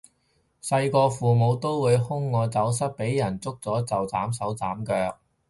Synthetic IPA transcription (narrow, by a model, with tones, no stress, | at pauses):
sɐ˧jkɔː˧fuː˨mo˨˧wt̪o˥wwuː˨˧jhʊ˥ŋːɔː˧t͡sɐ˨˥wsɐ˥t̚pe˨˥jjɐ˨˩nt͡sʊ˥k̚t͡sɔː˨˥t͡sɐ˨wt͡saː˨˥msɐ˨˥wt͡saː˨˥mkœː˧k̚